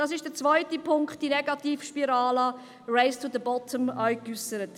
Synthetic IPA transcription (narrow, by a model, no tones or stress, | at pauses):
d̥ɑːsɪʃd̥əɾt͡svɔɪtipʰʊŋkχt̚d̥inɛɡɑtiːfʃpiɾɑːlɑ | ɹeɪstud̪əbɔtʰəmaɪkysəɾət